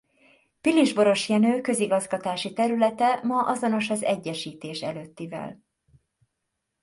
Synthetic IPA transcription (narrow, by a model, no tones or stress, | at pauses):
piliʒbo̞ɾo̞ʃjɛnøːkø̞ziɡɒzɡɒt̪aːʃit̪ɛɾylɛt̪ɛmɒʔɒzo̞no̞ʃɒzɛɟːɛʃiːt̪eːʃɛløːt̪ːivɛ̰l